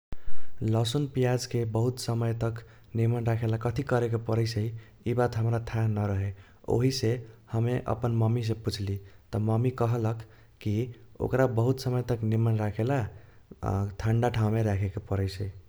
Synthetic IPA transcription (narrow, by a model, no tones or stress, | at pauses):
ləsunpijad͡ʒkebəɦut̪səməjt̪ʌk | nimənɾakʰelakʌt̪ʰikʌɾekopʌɾəjsʰəi | ibat̪ɦəmɾat̪ʰãnʌɾəɦe | o̰ɦisehəmeʔə̰pənmʌmis̬eput͡ʃʰlit̪ʌmʌmikʌɦlək | kːio̰kɾabəɦut̪səməjt̪əknimənɾakʰela | t̪ʰaɳɖaʈʰaw̃meɾakʰekopəɾəjsʰəi